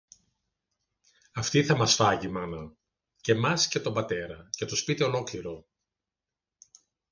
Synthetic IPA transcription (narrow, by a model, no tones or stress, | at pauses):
ɐft̪iθɐmɐsfɐʝimɐnɐ | ce̞mɐsce̞t̪o̞mbɐt̪e̞ɾɐcet̪ospit̪eo̞lokliɾo̞